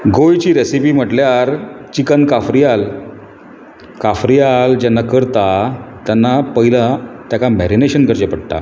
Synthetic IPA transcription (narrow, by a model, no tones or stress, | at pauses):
ɡojt͡ɕiːɾesipiːm̤əʈljaɾt͡ɕikənkafɾijal | kafɾijald͡ʑɛnːakəɾt̪at̪janːapəɦilat̪jakamɛɾineɕənkəɾd͡ʑepəɽʈ̪a̰